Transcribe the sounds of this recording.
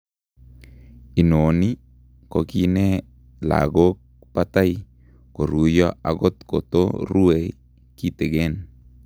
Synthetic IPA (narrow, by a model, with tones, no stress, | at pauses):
i˨no˨ni˦ | kɔ˨ki˦ne˦ | la̰˨ɡo˦k̚ | pat̪a˦j | ko˨ɾu˨jɔ˦aɡɔ˦t̪ko̰˨t̪o̰˦ɾu˦e˨ | ki˦t̪e˨ɡe˦n